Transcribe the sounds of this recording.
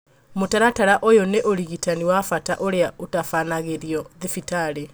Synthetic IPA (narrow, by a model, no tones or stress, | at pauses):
motaɾataɾaʔojoneʔoɾiɣitaniwafata̰ʔoɾeaotafanaɣeɾiɔðifitaɾe